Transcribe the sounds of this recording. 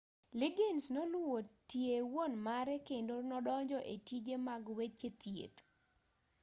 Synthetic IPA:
lɪɡensnolwwotjewonmaɾɛkendonɔdɔɲd͡ʒɔʔetid͡ʒemaɡwet͡ʃet̪jḛt̪

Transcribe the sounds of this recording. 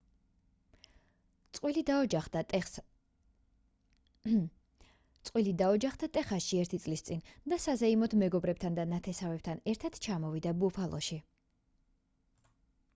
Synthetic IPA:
t̪ʼwil | t̪sʼqʼwilid̪aɔd͡ʒaχd̪at̪ʼɛχaʃiɛɾt̪ʰit̪sʼlist̪sʼind̪asazɛimɔt̪ʰmɛɡɔbɾɛp̚t̪ʰand̪anat̪ʰɛsavɛb̚t̪ʰanɛɾt̪ʰat̪t͡ʃʰamɔvid̪abupʰalˠʔɔ̰ʃi

